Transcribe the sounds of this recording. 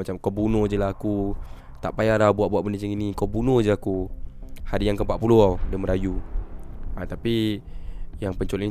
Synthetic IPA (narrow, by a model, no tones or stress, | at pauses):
mat͡ʃamkawbunod͡ʒəlaɦaku | t̪aʔpajaɾawbuaʔbuaʔbəndət͡ʃəŋinikawbunod͡ʒəaku | haɾijaŋkəmpaʔpuluawdəməɾaju | at̪api | jaŋpəɲt͡ʃolini